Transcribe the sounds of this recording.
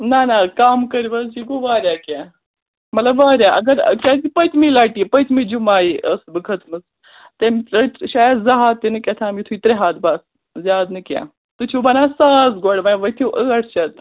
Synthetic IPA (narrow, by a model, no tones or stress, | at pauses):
nanakaːmkɐɾibɐsd͡ʒiɡoʋaːɾjaːkaː | mɐt̪lɐbʋaːɾjaːʔɐɡɐɾ̰kʲaːzipət̪ʰmiːlaːʈiːpɐt̪ʰmiːd͡ʒumaːiːʔɐsbɨkʰɐt̪ʰmɨs | t̪emɐʃaːjɐd̪zɐɦaːt̪ːenɨkʲɐt̪ʰaːmit̪ʰuiːt̪ɾeɦaːd̪baːs | zjaːd̪nɨkja̰ː | t̪ɨt͡ʃʰubɐːnaːsaːzɡoɽʋaʋɐt̪ʰiʔəːɐʈʰt͡ʃʰɐt̪